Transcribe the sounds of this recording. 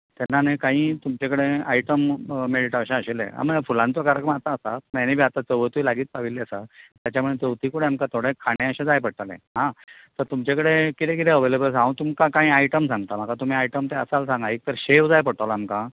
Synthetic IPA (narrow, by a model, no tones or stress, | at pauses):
t̪ɛnːanekãɦĩːt̪umt͡ɕakəɽeaiʈəmmeɽiʈaɕãəɕelḛ̃a̰məfulãnt͡sokaɾjəkɾəmat̪aːsapenebʱiat̪at͡səʋət̪ilaɡiːt̪̚paʋilːeəsat̪jat͡ɕamuɭet̪ət̪iːkuɽẽamkat̪ʰoɽẽkʰaɽ̃ẽəɕãd͡zajpəɽ̚t̪alḛ̃ɦãt̪əɾt̪umt͡ɕakəɽekit̪ʰẽkit̪ẽəʋejləbəs̬ãũt̪umkakãɦĩːaiʈəmsãŋɡt̪am̤akat̪um̤iːajʈəmt̪eəsalsãŋɡaik̚t̪əɾɕeʋd͡zajpəɽʈ̪alaːmka